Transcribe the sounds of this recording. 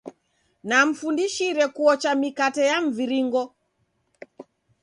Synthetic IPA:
nam̩fundiʃiɾɛkuɔt͡ʃamikatɛjaɱ̩viɾiŋɡɔ

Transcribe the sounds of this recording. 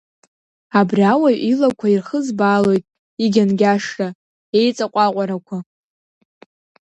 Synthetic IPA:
abriawajilakʷʰairχəzbaːlo̞jtʼ | iɡʲanɡʲaʂrʼa | e̞jt͡sʼaqʷʼaqʷʼaɾakʷʰa

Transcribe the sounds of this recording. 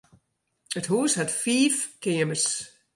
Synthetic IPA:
əthuːshatfiːfkʰɪəməs

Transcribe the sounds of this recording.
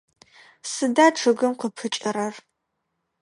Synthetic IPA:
sɨdaːʈ͡ʂʰɨɡɨmqʷəpʰɨt͡ʃʼɐɾɐr

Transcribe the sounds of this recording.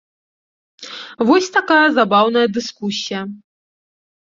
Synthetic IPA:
vɔsʲt̪akajɐzabawn̪ɐjɐd̪ɨskusʲijɐ

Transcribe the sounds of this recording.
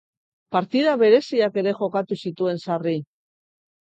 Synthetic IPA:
paɾt̪iðaβe̞ɾe̞siake̞ɾe̞ʝo̞kat̪usit̪ue̞nsari

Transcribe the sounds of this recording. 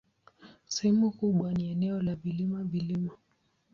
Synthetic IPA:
sɛhɛmukuɓwaniɛnɛɔlavilimavilima

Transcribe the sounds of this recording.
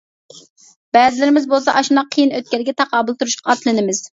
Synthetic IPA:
b̥ɛzɪlɪɾɪmɪzbolˠsɑʔɑʃunɑqʰːəjinøt̪̚kʲɛlɪɡʲɛt̪ʰɑqɑːbɨlˠt̪ʰuɾuʃqɑɑt̪lˠɨnɪmɪz̥

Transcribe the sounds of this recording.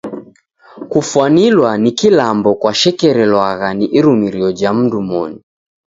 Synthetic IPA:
kufuanilwanikilambɔkwaʃɛkɛɾɛlwaɣaniʔiɾumiɾiɔd͡ʒam̩dumɔ̰ni

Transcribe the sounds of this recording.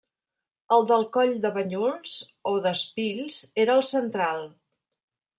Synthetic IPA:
əlˠd̪əlˠkɔʎd̪əβəɲunz̥oðəspiʎzeɾəːlˠsənt̪ɾalˠ

